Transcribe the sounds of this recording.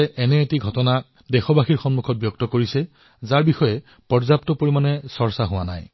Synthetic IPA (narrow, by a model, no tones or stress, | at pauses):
ʔɛnɛːtiɡʱɔtɔna | dɛxɔbaxiɹxɔnmukʰɔt̚bjɔk̚tɔkoɹisɛ | zaɹbixɔjɛ | pɔɹzap̚tɔpoɹimanɛsɔɹsaɦʊwa̰na̰j